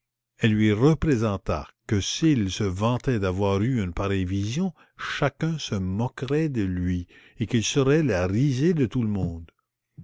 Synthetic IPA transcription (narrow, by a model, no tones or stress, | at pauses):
ɛlːɥiʁəpʁezɑ̃t̪a̰kəsilsəvɑ̃t̪ɛd̪avwaʁyynpaɾɛjvizjɔ̃ | ʃakœ̃səmɔkʁɛd̪əlɥi | ekilsəʁɛlaʁized̪ət̪uləmɔ̃d̪